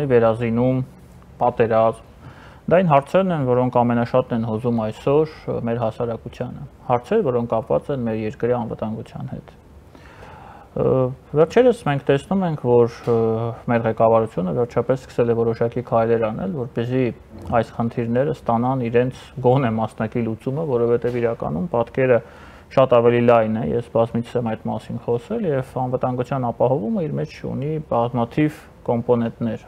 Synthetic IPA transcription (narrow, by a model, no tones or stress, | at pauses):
ivɛɾɑzinum | pɑt̪ɛɾɑzm | d̪ɑinɦɑɾt͡sʰɛɾnɛnvɔɾɔŋkʰɑmɛnɑʃɑt̪nɛnɦɔzumɑjsɔɾmɛɾɦɑsɑɾɑkut͡sʰjɑnə̰hɑɾt͡sʰɛɾvɔɾɔŋkʰːɑpvɑ̰t͡sɛnmɛɾjɛɾkɾiɑnvət̪ɑŋɡut͡sʰjɑ̰nhɛ̰t̪ | vɛrt͡ʃʰɛɾəsmɛŋkʰt̪ɛsnumɛŋkʰvɔɾ | mɛɾʁɛkɑvɑɾut͡sʰjunəvɛɾt͡ʃʰɑpɛsːkə̥sɛlɛvɔɾɔʃɑkikʰɑjlɛɾɑnʔɛ̰lvɔɾpɛzi | ɑjsχənt̪ʰiɾnɛɾəst̪ɑnɑniɾɛnt͡sʰɡɔnɛmɑsnɑkilut͡suməvɔɾɔvɛt̪ɛviɾɑkɑ̰numpɑt̪kɛɾə | ʃɑt̪ɑvɛlilɑjnɛjɛ̰sbɑzmit͡sʰɛmɑjt̪mɑ̰sinχɔsɛljɛvɑnvət̪ɑŋɡut͡sʰjɑnɑpɑhɔvuməiɾmɛt͡ʃʰt͡ʃʰṵnibɑzmɑt̪ʰiv | kɔmpɔnɛnt̪nɛɾ